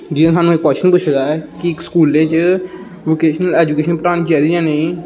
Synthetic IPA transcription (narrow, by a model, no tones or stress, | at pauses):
d͡ʒɪd̪ẽːsaːnũːɪkːwɛːʃənpʊt͡ʃʰd̪aːɛːkɪkskuːlẽːt͡ʃ | ʋoːkeːʃnəlɛːd͡ʒukeːʃənpəɾaːñiːt͡ʃɛːɾiːd͡ʒãːneĩː